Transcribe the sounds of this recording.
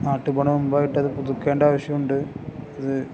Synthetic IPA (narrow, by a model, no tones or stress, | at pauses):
naːʈːɨpɐɳɐʋummbaːjiʈːɐðɨput̪ukːeːɳɖaːʋɐɕjɐmuɳɖɨɐðɨ